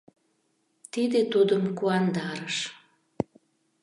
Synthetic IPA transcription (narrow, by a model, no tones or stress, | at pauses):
t̪id̪et̪ud̪əmkuɑnd̪ɑɾəʃ